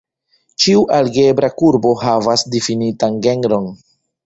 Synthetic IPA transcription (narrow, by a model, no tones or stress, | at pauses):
t͡ʃiuʔalɡe̞bɾakuɾbo̞ɦavasdifinitanɡe̞ŋɡɾo̞n